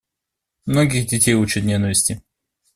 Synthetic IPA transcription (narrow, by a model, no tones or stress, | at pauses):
mnoɡʲɪɣdʲɪtʲejut͡ɕɪt̪nʲenəvʲɪsʲtʲɪ